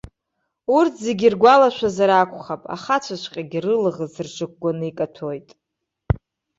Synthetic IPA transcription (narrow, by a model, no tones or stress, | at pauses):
urtʰzeɡʲirɡʷalaʃʷᶣazaɾaːkʷʼχapʼa̰χat͡ʃʷʰaʃʷqʲʼaɡʲirɨlʁəzɨrt͡ʃʷʰʼɨk̚ʷʼɡʷanɨikʼatʰojtʼ